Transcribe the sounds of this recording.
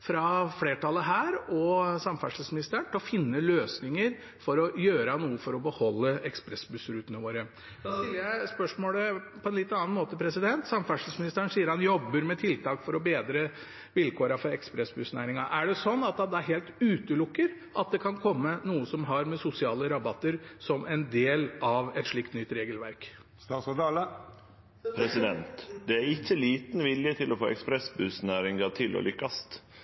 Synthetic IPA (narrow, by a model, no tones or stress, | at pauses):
fɾɑfleːʈɑlːəɦæːɾɔsɑmfæʂəsmɪnɪst̪əɳʈʰɪlɔfɪnːəløːsnɪŋəɾ | fɔɾɔjøːɾɑnuːəfɔɾɔbəhɔlːəɛkspɾɛsbʉsɾʉːt̪ənəʋoːɾə | d̪ɑt̪ɪlːəjæɪspœʂmoːləpʰɔɛnlɪt̪ːɑːnmoːt̪əpʰɾɛsɪd̪ɛnt̪sɑmfæʂl̩əsmɪnɪst̪əən̩siːəɾhɑnjɔbːəɾmɛt̪ʰɪlt̪ʰɑːkfɔɾɔbeːd̪ɾə | ʋɪlkʰoːɾɑfɔɾɛkspɾɛsbʉsnæːɾɪŋɑʔæɖɛsɔnːɑt̪̚d̪ɑd̪ɛæɾɦeːlt̪ʉːt̪əlʊkːəɾ | ʔɑt̪̚d̪ɛkʰɑnkʰɔmːənuːəsɔmɦɑɾmɛsʊsɪɑːləɾɑbɑt̪ːəɾsɔmʔɛnd̪eːlɑʋɛt̪ʂɭɪkt̪nʏt̪ːɾeːɡəlʋæɾk | st̪ɑːsd̪ɑlə | pʰɾɛsɪd̪ɛnt̪d̪̥ɛæɾɪçːəliːt̪n̩ʋɪljət̪ʰɪlɔfo̰ːɛkspɾɛsbʉsnæːɾɪŋɑt̪ʰɪlɔ̰lʏkːɑst̪